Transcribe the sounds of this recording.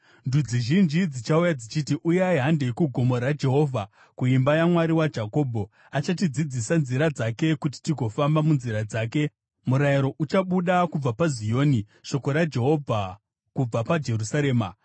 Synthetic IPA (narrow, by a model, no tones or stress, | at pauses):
ndud͡ziʒind͡ʒid͡zit͡ʃaujad͡zit͡ʃitiʔujaiɦandekuɡʱo̞mo̞ɾad͡ʒe̞ɦo̞ːvʱa | kuimbajamwaɾiwad͡ʒako̞ːbʱo̞ | at͡ʃatid͡zid͡zisanziɾad͡zake̞kut̬i̥tiɡʱo̞fambamunziɾad͡zaːke̞ | muɾajiɾo̞ʔut͡ʃaɓuɗakub͡vapazijo̞ːni | ʃo̞ko̞ɾad͡ʒe̞ɦo̞vʱa | kub͡vapad͡ʒe̞rusaɾe̞ːma